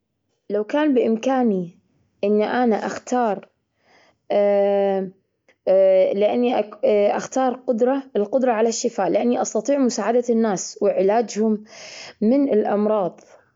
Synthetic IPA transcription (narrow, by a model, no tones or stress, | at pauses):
lawkaːnbɪʔɪmkaːni | ʔɪnːʔanaʔaxt̪ɑːɾˤ | lɪʔanːiʔaʔaxt̪ɑːɾˤqʊd̪ɾˤɑɪlqʊd̪ɾˤɑʕalaʃːɪfaːʔlɪʔanːiʔɑst̪ɑt̪ˤiːʕmʊsaːʕad̪anːaːswɪʕɪlaːd͡ʒhʊmː | ɪnɪlʔɑmɾˤɑːðˤ